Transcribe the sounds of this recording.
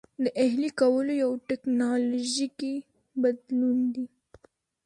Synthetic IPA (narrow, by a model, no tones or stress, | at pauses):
d̪əʔeɦlikawəlojawʈeknɑloʒiki | bad̪lund̪i